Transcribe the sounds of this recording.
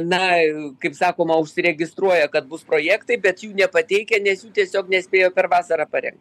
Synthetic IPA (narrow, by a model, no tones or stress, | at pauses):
nɐkɐɪpsɑːkoːmɐʊʃʲsʲɪɾʲɛɡʲɪst̪ɾuɔjɛkɐt̪̚bʊspɾoːjæːkt̪ɐɪbʲɛt̪juːnʲɛpɐt̪ʲɛɪkʲɛnʲɛsjuːt̪ʲiɛsʲoːknʲɛsʲpʲeːjoːpʲɛɾʋɑːsɐɾɐpɐɾʲɛ̰ŋkt̪